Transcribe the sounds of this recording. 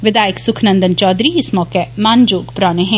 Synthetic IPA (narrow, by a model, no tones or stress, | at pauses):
ʋɪd̪aːjəksʊkʰnɐ̃nd̪ənt͡ʃɔːd̪ɾiɪsmɔːkemaːnd͡ʒoːɡpɾaːneɦɛ̃ː